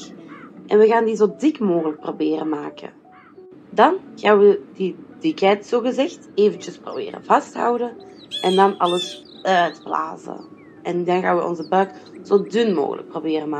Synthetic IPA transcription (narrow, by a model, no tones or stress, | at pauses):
ʔɛnʋəɣaːndizoːdɪkmoːɣələk̚probɪːrəmaːkə̰ | dɑnɣaːnʋədid̥ɪkɛjtsoːɣəzɛxteːvəntəspro̰bɪ̰ːrə̰vɑstɦɑ̰wdə | ʔɛndɑnɑləs | œɥtbla̰ːzə̰ | ɛndɑnɣa̰ːnʋəʔɔ̰nzəbœkz̥oːdʏnmo̰ːɣə̰lə̰k̚probɪːrəmaː